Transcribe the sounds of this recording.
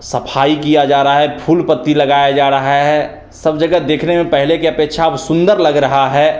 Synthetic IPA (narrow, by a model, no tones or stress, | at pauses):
sɐpʰaːikijad͡ʒaːɾəaɦɛpʰuːlpət̪ːilɐɡaːjad͡ʒaːɾɐɦaɦɛ | səbd͡ʒɐɡəd̪eːkʰnemẽpɛɦlekeɐpeːkʃʰaəbsʊ̃nd̪əɾlɐɡɾɐɦaɦɛ